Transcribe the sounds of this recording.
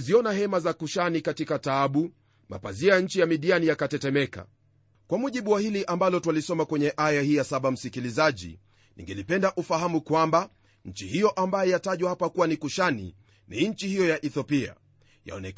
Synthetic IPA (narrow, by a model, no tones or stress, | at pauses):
ziɔnaɦɛmazakuʃanikatikataːɓu | ma̰paziaɲ̩t͡ʃijamiɗianijakatɛtɛmɛka̰ | kwamuʄiɓuwahiliʔambalɔtwalisɔmakwɛɲɛʔajahiːjasaɓam̩sikilizaʄḭ | nḭŋɡɛlipɛndaʔufahamukwamba | ɲ̩t͡ʃihijɔʔambajɛjataʄwahapakuwanikuʃanḭ | niɲt͡ʃihijɔjaʔɛθɔpia̰ | ja̰ɔnɛ